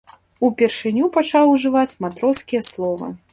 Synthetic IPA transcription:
upʲɛrʂɨnʲupat͡ʂawuʐɨvat͡sʲmat̪ɾɔskʲijɐslˠɔvɐ̰

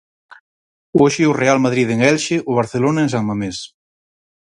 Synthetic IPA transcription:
oʃɪʊrealmaðɾiðeŋɛlʃɪʔʊβ̞aɾθelonɐeŋsaŋmames

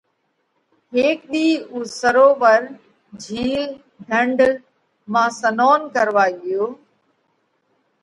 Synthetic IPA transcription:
ɦeːk̚ɗiːuːsəɾoːʋəɾ | d͡ʒʱiːl | d̪ʱə̃ɳɖ | mãːsənoːnkəɾʋaːɠɪjoː

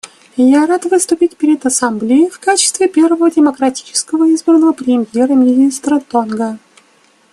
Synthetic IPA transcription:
jaɾat̪vɨst̪ʊpʲitʲpʲɪɾʲɪd̪ɐsamblʲejɪfkat͡ɕɪst̪vʲɪpʲe̞rvəvədʲɪməkɾɐtʲi̥t͡ɕɪ̥skəvəizbrənəvəpɾʲɪmʲjeɾəmʲɪnʲist̪ɾət̪onɡə

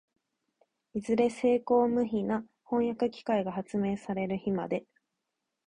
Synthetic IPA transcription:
izɨɾe̞se̞ːko̞ːmɯ̟çina | hõ̞ɰ̃jakɯ̟kʲi̥kaiɡahat͡sɨme̞ːsaɾe̞ɾɯ̟çima̰d̪e̞

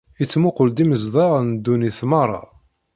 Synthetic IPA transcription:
it͡sːmuqʊld̪iməzðˤɑʁnd̪ːuniθmɑɾˤːɑ̰

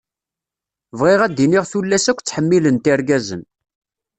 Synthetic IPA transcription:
vʁiʁæd̪ːiniʁθulːæsækʷːt͡sːħəmːilənt̪iɾɡæzə̰n

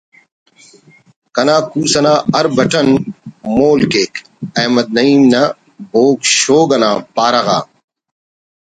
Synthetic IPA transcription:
kɐnaːkuːsɐnaːɐɾbɐʈɐnmoːlkeːk | ɐːmɐd̪̚nɐiːmna | boːkɕoːɡɐnaːpaːɾɐɣa̰ː

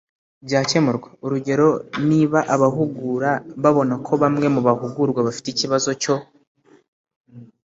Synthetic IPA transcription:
bɟaːce̞muɾɡwe̥uɾuɟe̞ɾo̞niːβaʔaβaɦuɡuɾaβaβo̞nakʰo̞βamŋe̞muβahuɡuɾɡwaβafi̥ticiβazo̞co̞

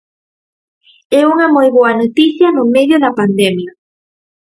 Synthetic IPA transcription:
ɛuŋɐmojβoɐnot̪iθjɐnomeðjoðɐpand̪emjɐ

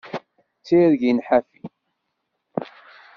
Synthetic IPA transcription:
t͡sːiɾʝinħafi

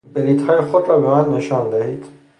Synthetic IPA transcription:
beliːt̪hɒːjexod̪ɾɒbemænːeʃɒnd̪ehiːd̪̥

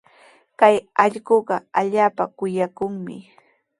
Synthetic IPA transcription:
kajɑʎɢoɢɑaʎaːpakʊjakʊŋmɪ̰

